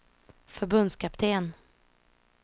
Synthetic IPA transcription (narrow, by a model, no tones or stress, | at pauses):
fœɾbɵnd̪skʰapt̪ʰeːn